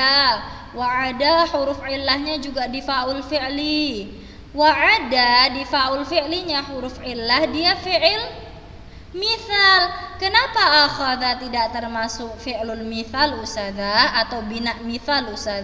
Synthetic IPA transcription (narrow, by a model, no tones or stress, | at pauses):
a | waʕadaħuɾʊfʕɪlːahɲad͡ʒuɡadifaʔʊlfiʕli | waʕadadifaʔʊlfiʔliɲaħuɾʊfʕɪlːahdiafiʔɪl | miθalkənapaʔːxaðat̪idaʔt̪ərmasʊk̚fiʔlʊlmiθalusaðaːt̪awbinaʔmiθalusað